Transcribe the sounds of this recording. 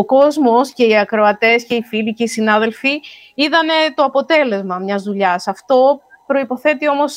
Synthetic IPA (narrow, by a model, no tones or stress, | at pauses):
oko̞zmo̞sce̞iɐkɾo̞ɐt̪e̞sce̞ifiliceisinɐðe̞lfi | iðɐne̞t̪o̞ɐpo̞t̪e̞le̞zmɐmɲɐzðuʎɐsɐft̪o̞ | pɾo̞ipo̞θe̞t̪io̞mo̞s